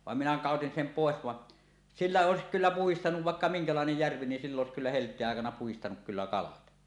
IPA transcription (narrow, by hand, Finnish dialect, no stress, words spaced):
ʋɑˑem minæ kɑˑotin sem poˑes ʋɑʔ silːæ oˑesik kylːæ puhistɑnuʋ ʋɑˑekːɑ miŋkɑlɑˑenej jærʋi nin silː oˑes kylːæ heltˑeːʔ ʔɑˑekɑnɑ puhistɑnuk kylːæ kɑlɑt